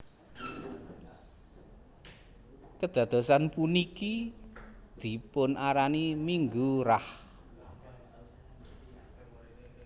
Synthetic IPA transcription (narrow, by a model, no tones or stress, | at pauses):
kəd̪̥ä̤d̪̥o̤sanpuniki | d̪̥i̤pʊnʔaɾanimiŋɡuɾah